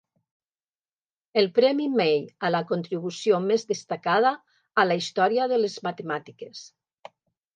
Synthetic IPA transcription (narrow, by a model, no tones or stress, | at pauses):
elˠpɾɛmimejalakont̪ɾiβ̞usjomezðest̪akað̞aː | laist̪ɔɾiaðəlezmat̪emat̪ikes